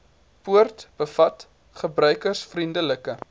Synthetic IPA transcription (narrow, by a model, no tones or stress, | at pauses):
puərtb̥əfɐt | χəbrœɥkərsfrindələkə